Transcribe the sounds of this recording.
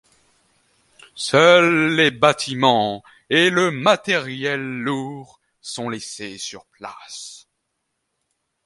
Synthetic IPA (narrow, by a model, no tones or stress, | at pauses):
sœlːebat̪ʰimɑ̃ | eləmat̪ɛʁjɛlːuʁ | sɔ̃lesesyʁpla̰s